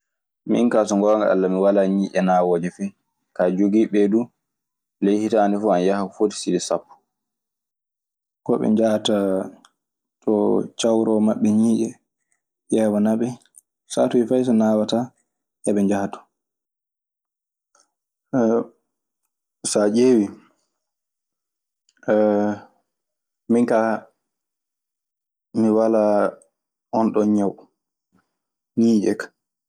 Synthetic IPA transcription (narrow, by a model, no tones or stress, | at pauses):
mḭnkaːsɔŋɡɔŋɡa̰a̰lːamiwalaɲiːʔɛnawɔd͡ʒɛfɛ | kad͡ʒoɡiːɓɛdu | lejhitanifuanjahafodi̥sidisapːu̥ | kɔ̰ɓɛ̰ɲd͡ʒahta | tɔt͡ʃawɾɔmaɓːɛɲiːʔɛ | jɛwanaɓɛ | sa̰tuifajs̬ɔnawata | ʔɛɓɛɲd͡ʒahtu̥ | sad͡ʒeːwi | miŋka | miwala | ʔɔnɗɔɲaw | ɲiːd͡ʒɛkḁ